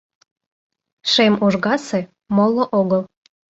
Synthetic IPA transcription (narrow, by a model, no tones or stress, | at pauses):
ʃemuʒɣɑse | molˠːoʔoɣəl